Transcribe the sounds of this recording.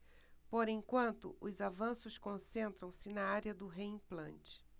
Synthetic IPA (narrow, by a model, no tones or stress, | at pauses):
poɾẽkwɐ̃nt̪ʊ̰ʔʊzavɐ̃sʊskõsẽnt̪ɾɐ̃w̃sɪnɐaɾjɐd̪ʊɦeĩplɐ̰̃nt͡ʃɪ̥